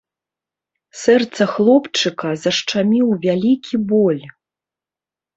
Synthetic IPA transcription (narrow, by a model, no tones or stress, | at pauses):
sɛrt̪sɐxlˠɔpt͡ʂɨkɐzɐʂt͡ʂamʲiwvʲalʲikʲibɔlʲ